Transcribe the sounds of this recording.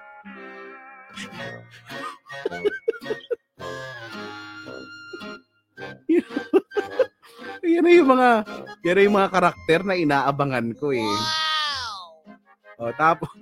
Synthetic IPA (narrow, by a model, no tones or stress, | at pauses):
j | janɐjʊŋmɐŋajanɐjʊŋmɐŋakɐɾak̚t̪ɛɾnɐʔɪnaːʔɐbɐŋɐnkoɛ | ʔot̪aːpos